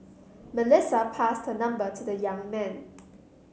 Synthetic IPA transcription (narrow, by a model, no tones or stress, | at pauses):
məlɪsəpʰastənʌ̃mbətʰudəjãŋmɛ̃n